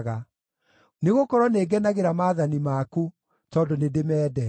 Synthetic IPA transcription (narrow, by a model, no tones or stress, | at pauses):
ɣa | neɣokɔɾwɔneːɡɛnaɣeɾamaːðanimaːku | tɔndɔnedemɛːdɛ